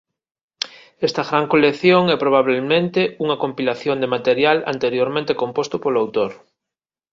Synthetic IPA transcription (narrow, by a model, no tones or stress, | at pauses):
est̪aɣɾaŋkolekθjoŋɛpɾoβ̞aβ̞elmẽnt̪euŋakompilaθjond̪emat̪eɾjala̰nt̪eɾjoɾmẽnt̪ekompost̪ʊpolawt̪oɾ